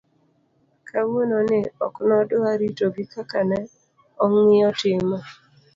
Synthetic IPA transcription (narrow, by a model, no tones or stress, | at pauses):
kʰamononɪɔknɔdʊaɾitoɡikakanɛ | ɔŋɪɔtɪma